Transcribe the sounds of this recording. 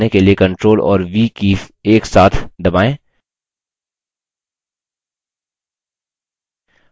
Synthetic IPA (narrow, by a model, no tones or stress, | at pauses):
nekeliekɐ̃ɳʈɾoːlɔ̰ːɾʋikiːfeːksaːt̪ʰd̪ɐbaːẽː